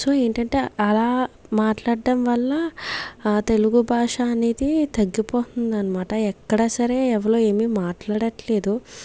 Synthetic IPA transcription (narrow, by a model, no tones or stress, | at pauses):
so̞ːe̞ːɳʈɐɳʈe̞ːɐlaːmaːʈlaːɖɖɐmʋɐlːɐ | t̪e̞luɡubʱaːʂaːneːd̪it̪ɐɡːipoːt̪und̪iɐnɐmaːʈɐɛkːɐɽaːsɐɾe̞ːɛʋɐlo̞ːe̞ːmimaːʈlaːɽɐʈle̞ːd̪u